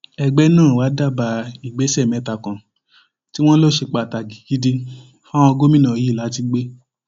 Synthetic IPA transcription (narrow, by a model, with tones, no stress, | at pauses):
ɛ˧ɡ͡bɛ˦nãː˦˨wa˨˦da˦˨ba˧i˨ɡ͡be˨˦sɛ˦˨mɛ̃˨˦ta˨kã˨ | ti˦w̃ɔ̃˦lo˦ʃe˧k͡pa˨ta˨ɡi˨ɡi˨˦di˧ | fa˦w̃ɔ̃˧ɡo˦mĩ˦nã˨˦i˦˨la˨˦ti˧ɡ͡be˦